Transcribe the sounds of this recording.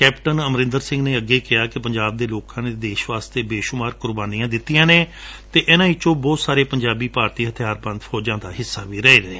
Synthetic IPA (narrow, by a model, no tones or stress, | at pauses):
kɛːpʈənəmɾɪ̃nd̪əɾsɪ̃ŋɡneːəɡːeːkɪaːkɪpəɲd͡ʒaːb̚d̪eːloːkãːneːd̪eːʃʋaːst̪eːbeːʃʊmaːɾkʊɾbaːnijãːd̪ɪt̪ːijãːneːt̪eːʔɛnãːiːt͡ʃõːbɔːt̪saːɾeːpəɲd͡ʒaːbiːpaːɾt̪iːɦət̪ʰjaːɾbə̃nd̪fʰɔːd͡ʒãːd̪aːɦɪsːaːʋiːɾɛeːɾəeː